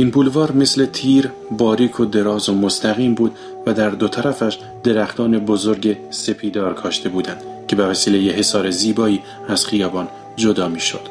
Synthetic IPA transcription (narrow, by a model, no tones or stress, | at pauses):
ʔiːnpʰuːlvɒːɾme̞sle̞t̪ʰiːɾ | bɒːɾiːkʰod̪e̞ɾɒːzomost̪ʰæɣiːmbuːd̪ | væd̪æɾd̪ot̪ʰæɾæfæʃ | d̪̥e̞ɾæxt̪ʰɒːne̞bozoɾɟe̞se̞pʰiːd̪ɒːɾkʰɒːʃt̪ʰe̞buːd̪ænd̪̥cʰe̞bevæsiːle̞jeɦe̞sɒːɾe̞ziːbɒːiː | æz̥χijɒːbɒːn | d͡ʒo̞d̪ɒːmiːʃo̰d̪̥